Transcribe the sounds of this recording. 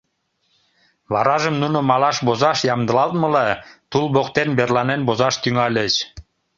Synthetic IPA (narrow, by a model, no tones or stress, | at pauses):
βɑɾɑʒəmnunomɑlɑʃbozɑʃjɑmd̪əlɑlt̪̚məlɑt̪ulbokt̪enberlɑnenbozɑʃt̪yŋɑlʲət͡ɕ